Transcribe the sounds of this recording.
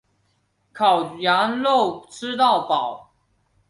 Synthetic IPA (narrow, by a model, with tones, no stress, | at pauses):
kʰɑ˨˩ʊja˧˥ŋlo˥˨ʊʈ͡ʂ̩ʰ˥t̪ɑ˥˨ʊpɑ˨˩˦ʊ